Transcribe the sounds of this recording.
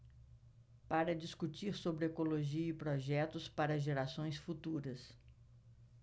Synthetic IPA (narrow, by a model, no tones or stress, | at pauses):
paɾɐd͡ʒiskut͡ʃiɾsobɾɪekoloʒiɐɪpɾɔʒɛt̪ʊspaɾɐʒeɾasõj̃sfut̪uɾɐs